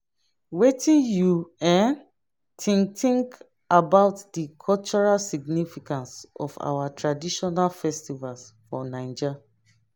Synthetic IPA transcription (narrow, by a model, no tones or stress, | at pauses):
wetʰĩnjuɛ̃n | tʰĩŋtĩŋk | abaʊtdikʰɔlt͡ʃɔɹalsiɡnifikãnsɔ̰fa̰watʰɹadiʃɔnalfɛstivalsfɔnãɪ̃nd͡ʒa